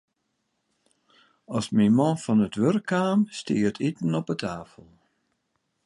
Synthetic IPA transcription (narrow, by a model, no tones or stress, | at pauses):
ɔsmimɔ̃fɔnətʋørkʰːaːmstiətʰitən̩ɔpətʰaːfəlˠ